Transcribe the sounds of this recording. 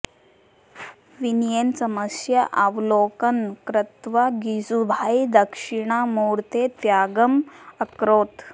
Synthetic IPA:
ʋinjensəməsjəʔaʋlokənkɾət̪ʋaɡid͡zubʱajd̪əkʂiɳ̃amoɾt̪et̪jaɡəməkɾoːt̪

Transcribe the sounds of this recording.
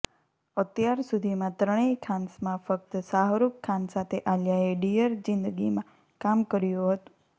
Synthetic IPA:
ət̪jaɾsud̪ʱimãt̪ɾəɽ̃ekʰansmãfək̚t̪saɦɾukkʰːansat̪ʰeʔaljaeɖijəɾd͡ʒɪnd̪əɡimã | kamkəɾjoɦət̪ũ̥

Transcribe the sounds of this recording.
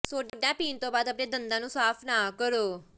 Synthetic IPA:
soːɖɖãːpiːnt̪õːbaːd̪əpɳẽːd̪ənd̪ãːnũːsaːpʰnaːkəɾoː

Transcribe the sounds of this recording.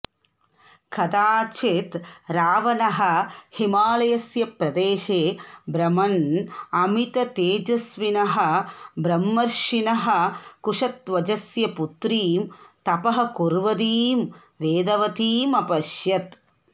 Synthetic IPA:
kʰɐd̪aːt͡ʃʰeːt̪ɾaːʋɐnɐɦɐ̆himaːlɐjɐsjɐpɾɐd̪eːʃeːbɾɐmɐnɐmit̪ɐt̪eːd͡ʒɐsʋinɐɦɐ̆bɾɐmːɐɾʃinɐɦɐ̆kuʂɐt̪ʋɐd͡ʒɐsjɐput̪ɾiːmt̪ɐpɐɦɐ̆kuɾʋɐd̪iːm | ʋeːd̪ɐʋɐt̪iːmɐpɐʃjɐt̪

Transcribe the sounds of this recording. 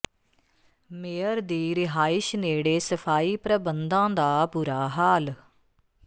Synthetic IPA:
meːəɾd̪iːɾɪɦaːɪʃneːɽeːsəpʰaːiːpɾəbənd̪ãːd̪aːbuːɾaːɦaːl

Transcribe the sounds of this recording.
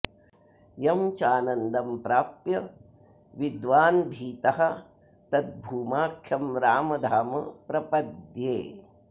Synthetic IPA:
jɐmt͡ʃaːnɐnd̪ɐmpɾaːpjɐ | ʋid̪ʋaːnbʱiːt̪ɐɦɐ | t̪ɐt̪̚bʱuːmaːkʰjɐmɾaːmɐd̪ʱaːmɐpɾɐpɐd̪jeː

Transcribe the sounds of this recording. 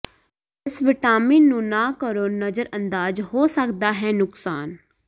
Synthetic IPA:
ɪsʋɪʈaːmiːnũːnaːkəɾoːnəzəɾə̃nd̪aːd͡ʒɦoːsəkd̪aːɦɛːnʊksaːn

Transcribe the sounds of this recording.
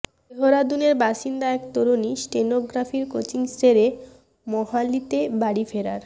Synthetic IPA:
eɦoɾad̪uneɾbaʃind̪aɛkt̪oɾonisʈenoɡɾafiɾkot͡ɕiŋsɾeɾe | mɔɦalit̪ebaɽifeɾaɾ

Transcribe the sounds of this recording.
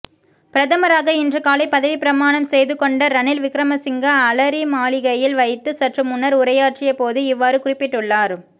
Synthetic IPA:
pɪɾɐðɐmɐɾaːɣɐɪndrɯkaːlɐɪpːɐðɐʋipɪɾɐmaːɳɐmsɛjðɯkɔɳɖɐɾɐnɪlʋɪkɾɐmɐsɪŋɡɐːlɐɾimaːɭɪɣɐjɪlʋɐɪt̪ːɯsɐʈrɯmʊnːɐɾʊɾɐjaːʈrɪjɐpoːðɯɪʋːaːɾɯkʊrɪpːɪʈːɯɭːaːɾ

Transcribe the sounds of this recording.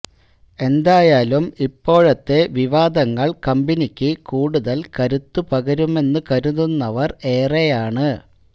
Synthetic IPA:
e̞nd̪aːjaːlumipːo̞ːɻɐt̪ːe̞ʋiʋaːd̪ɐŋːɐɭkɐmbinikʲːɨkuːɽuðɐlkɐɾut̪ːupɐɡɐɾume̞nːɨkɐɾununːɐʋɐre̞ːrejaːɳɨ

